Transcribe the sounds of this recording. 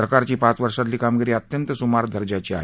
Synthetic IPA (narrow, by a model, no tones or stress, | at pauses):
ɾəkaɾt͡ɕiːpat͡sʋəɾʂat̪liːkamɡiɾiːətt̪jənt̪əsumaɾd̪ʱəɾd͡ʑat͡ɕiːa̰ɦ